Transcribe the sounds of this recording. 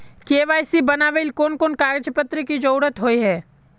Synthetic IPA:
keːʋaːjsibɐnaːʋelkoːnkoːnkaːɾd͡ʒəpət̪ɾikid͡ʒɐʊɾət̪ɦoːiɦɛː

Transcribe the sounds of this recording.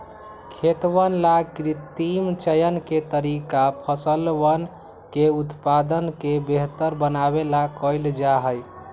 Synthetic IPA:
kʰet̪wənlakɾit̪imt͡ʃəjənket̪əɾikapʰəsəlʋən | keut̪pad̪ənkebeɦt̪əɾbənabelakəjld͡ʒaɦəj

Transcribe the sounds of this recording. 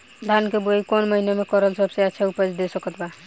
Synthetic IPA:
d̪ʱankeboikonməɦinemekɔɾəlsəbseɛt͡ʃʰaupəd͡ʒd̪esəkət̪ba

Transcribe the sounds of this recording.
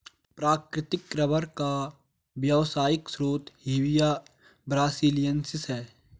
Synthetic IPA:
pɾaːkɾɪt̪ɪkɾəbəɾka | bjəʋsaːjɪksɾoːt̪ɦiːwɪjaː | bɾaːsiːlɪjənsɪsɦɛː

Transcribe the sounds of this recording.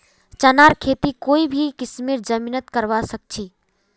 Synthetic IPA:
t͡ʃənaɾkʰet̪ikoibʱikismiɾd͡ʒəminət̪kəɾʋasək̚t͡ʃʰi

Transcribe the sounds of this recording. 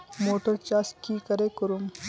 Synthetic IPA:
moːʈəɾt͡ʃaːskikəɾekəɾum

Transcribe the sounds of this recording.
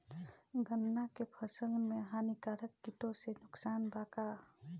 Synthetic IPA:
ɡənːakepʰəsəŋmeɦanikaɾək̚ːitosenuksanbaka

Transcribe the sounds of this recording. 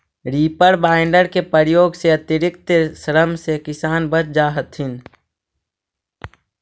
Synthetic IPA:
ɾiːpəɽbaːɪɳɖəɾkepəɾjoːɡseɐt̪ɪɾɪkt̪sɾəmsekɪsaːnbət͡ʃd͡ʒaːɦət̪ɦɪn

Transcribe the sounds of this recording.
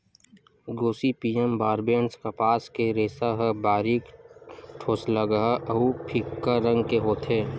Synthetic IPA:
ɡoːsipiːembaːɾbeːnskapaːskeɾeːsaɦəbaːɾiːkʈʰoːsləɡaʔəɦupʰikːaɾə̃ŋɡkeɦoːt̪ɦeː

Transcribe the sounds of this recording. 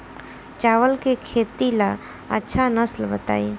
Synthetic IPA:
t͡ʃawəlkekʰet̪ila | ə̰tːʃʰanəslbət̪a̰ːi

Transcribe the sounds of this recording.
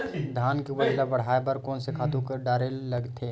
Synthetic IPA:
d̪ʱaːnkebɐdlabɐɽ̤aːebɐɾkɔːnsekʰaːt̪ũkeɖaːɾelːɐɡt̪ʰeː

